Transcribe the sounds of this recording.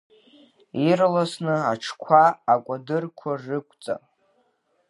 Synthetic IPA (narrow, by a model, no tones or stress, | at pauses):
irlasnɨaʈ͡ʂʰkʷʰaːkʷʼadɨrkʷʰarɨkʷʼt͡sʼa̰